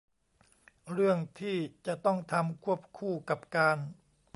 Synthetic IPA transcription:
ɾɯ˥˩əŋt̪ʰiː˥˩t͡ɕa˨˩ʔt̪ɔ˥˩ŋt̪ʰa˧mkʰu˥˩əp̚kʰuː˥˩ka˨˩p̚kaː˧n

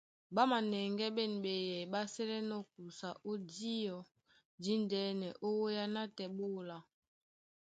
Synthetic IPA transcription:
ba˦ma˨nɛ˨ŋɡɛ˦ɓɛ˦˨n˨ɓɛ˨jɛ˨ɓa˦sɛ˦lɛ˦nɔ˦k̚u˨sa˨ʔo˦di˦jɔ˨ | di˦ndɛ˦nɛ˨ʔo˦wo˦ja˦na˦tɛ˨ɓo˦˨la˨

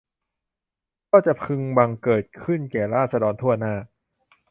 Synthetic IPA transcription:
kɔː˥˩t͡ɕa˨˩pʰɯ˧ŋba˧ŋkɤː˨˩t̪̚kʰɯ˥˩nkɛː˨˩ɾaː˥˩t̪̚sa˧dɔː˧nt̪ʰu˥˩ɐnaː˥˩

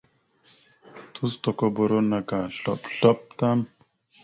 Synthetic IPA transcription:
t̪u˦st̪ɔ˨ko˦bo˨ɾo˦na˨ka˨ɬɔ̰˦˨pɬɔ˦p̚t̪a˦m

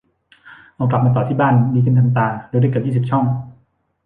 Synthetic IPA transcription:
ʔa˧wkla˨˩maː˧t̪ɔː˨˩t̪ʰiː˥˩baː˥˩˨nːiː˧kʰɯ˧˨nʰaː˧ŋt̪aː˧˩doː˧jɾa˥˩kːp̚jiː˥˩sp̚t͡ɕʰɔ˥˩ŋ

